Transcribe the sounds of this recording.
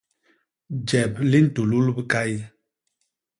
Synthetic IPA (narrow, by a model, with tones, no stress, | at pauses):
d͡ʒɛ˨p̚li˦n̩˨tu˨lu˦lbə˦ka˦j